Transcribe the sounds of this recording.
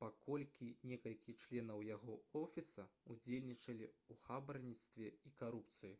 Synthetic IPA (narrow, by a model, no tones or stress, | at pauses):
pakɔlʲkʲinʲɛkɐlʲkʲit͡ʂlʲɛnɐwjaɣɔɔfʲisɐud͡zʲelʲnʲit͡ʂɐlʲiuxabɾɐnʲit̪st̪vʲɛikaɾupt̪sɨji